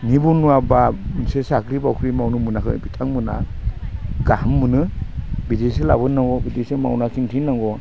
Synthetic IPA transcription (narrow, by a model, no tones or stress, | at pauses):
nibunuabasesakʰɾibawkʰɾimawnɯmɯnakɯ̰bitʰaŋmɯna̰ | ɡahɯmːɯnɯbidesela̰bɯnːaŋɡɔbidesema̰wnakʰintʰinːaŋɡɔ